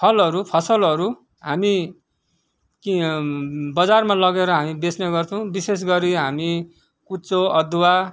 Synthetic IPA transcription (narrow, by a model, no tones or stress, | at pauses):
pʰʌlɦʌɾupʰʌsʌlʌɾu | ɦami | ki | bʌd͡zarmãlʌɡeɾʌɦamibesnʌɡʌrt͡sʰʌw̃bises̬ɡʌɾiɦami | kut͡soʌd̪wa